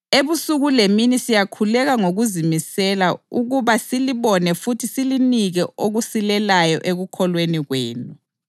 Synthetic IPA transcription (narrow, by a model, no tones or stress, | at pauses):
eβusuɣuleminisijakʰulɛɣaŋoɣuzimisɛlauɣuβasiliβɔnɛfutʰisiliniɣɛoɣusilɛlajɔ̰ʔeɣukʰɔlweniɣwḛːnu